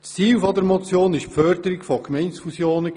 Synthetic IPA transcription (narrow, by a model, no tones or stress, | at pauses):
t͡st͡siːlfɔdəɾmɔt͡sjoːnɪʃfœrdəɾɪkfɔkmɛɪntsfusjoːnə